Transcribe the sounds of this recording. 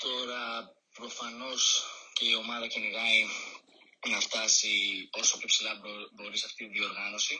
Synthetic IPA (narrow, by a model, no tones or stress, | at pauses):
t̪o̞ɾɐ | pɾo̞fɐno̞sce̞io̞mɐðɐceniɣɐi | nɐft̪ɐsio̞sopçopsilɐbo̞ɾisɐft̪iiðio̞ɾɣɐno̞si